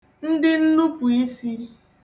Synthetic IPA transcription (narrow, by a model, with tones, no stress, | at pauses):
n̩˦dɪ˦n̩˦nu˦pu˨i˦si˦